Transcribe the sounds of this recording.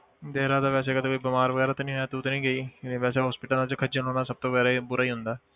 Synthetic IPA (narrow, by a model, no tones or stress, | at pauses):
d̪eːɾaːd̪aːʋɛːs̬eːkəd̪eːkoːiːbəmaːɾʋəɡɛːɾaːt̪ːnĩːɦjaːt̪eʊt̪nĩːɡəiːnẽʋɛːseːɦɔːspɪʈəlãːt͡ʃkʰəd͡ʒənɦoːnaːsəb̚t̪oːʋəɡɛːɾabʊɾaːiːɦʊnd̪aː